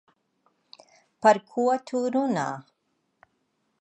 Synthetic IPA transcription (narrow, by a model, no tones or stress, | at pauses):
paɾkʰuatʰuɾuna̰